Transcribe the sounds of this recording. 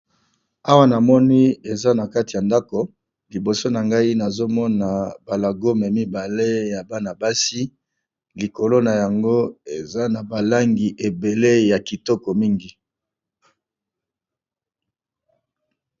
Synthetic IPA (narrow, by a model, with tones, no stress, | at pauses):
a˦wa˦na˨mɔ˦ni˦e˨za˦na˨ka˦ti˨ja˨nda˦ko˨ | li˨bo˨so˦na˨ŋɡa˦i˦na˨zo˦mɔ˦na˨ba˨la˨ɡo˦mɛ˨mi˦ba˨le˦ja˨ba˦na˨ba˦si˦ | li˨ko˨lo˦na˨ja˨ŋɡo˦e˨za˦na˨ba˨la˦ŋɡi˨ʔe˨be˨le˦ja˨ki˨tɔ˦kɔ˨mi˦ŋɡi˨